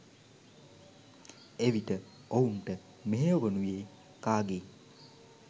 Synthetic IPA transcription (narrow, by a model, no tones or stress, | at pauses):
eʋiʈə | ounʈə | meɦeoʋənujeː | kaːɡe